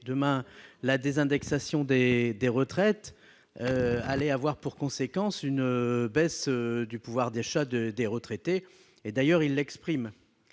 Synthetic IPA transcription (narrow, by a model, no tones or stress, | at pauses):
d̪əmɛ̃lad̪ezɛ̃d̪ɛksasjɔ̃d̪ed̪eʁət̪χɛt̪ | øalɛavwaʁpuʁkɔ̃sekɑ̃synbɛsd̪ypuvwaʁd̪aʃad̪ed̪eʁət̪χet̪eː | d̪ajœʁilːɛkspχim